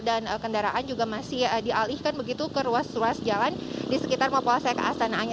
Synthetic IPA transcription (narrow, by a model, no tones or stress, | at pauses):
danəkəndaɾaʔand͡ʒuɡamasɪhdiʔalihkanbəɡit̪ukəɾuasruasd͡ʒalandisəkit̪armapolasajakə̰ʔasanaːɲ